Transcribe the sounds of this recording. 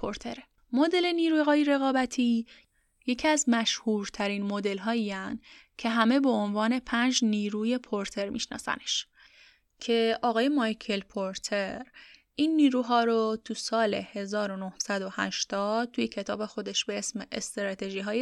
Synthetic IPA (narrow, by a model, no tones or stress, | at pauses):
pʰoɾt̪ʰeɾe | mod̪e̞le̞niːɾuːjɣɒːjiɾe̞ɣɒːbæt̪ʰiː | jecʰiæzmæʃhuːɾt̪ʰæɾinmod̪e̞lɦɒːiːænd̪̥ | cʰe̞ɦæmebe̞onvɒːne̞pʰænd͡ʒniːɾuːje̞pʰoɾt̪ʰe̞ɾmḭʃnɒ̰ːsæ̰ne̞̥ʃ | cʰe̞ʔɒːɣɒːje̞mɒjkʰe̞lpʰoɾt̪ʰe̞ɾ | ʔiːnːiːɾuːɦɒːɾot̪ʰusɒːle̞he̞zɒːɾo̞nohsæd̪o̞hæ̰ʃt̪ɒːd̪̥̚t̪ʰuje̞cʰe̞t̪ʰɒ̰ːbe̞xo̞d̪e̞ʃbe̞esmeʔest̪ɾɒːt̪ʰe̞ʒiːɦɒːje